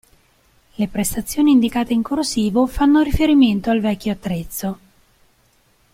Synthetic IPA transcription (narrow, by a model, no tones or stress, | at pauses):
lepɾest̪at̪sːjoːniːnd̪ikaːt̪eiŋkorsiːvofanːoɾifeɾiment̪oalvɛkʲːjoat̪ːɾet̪sːo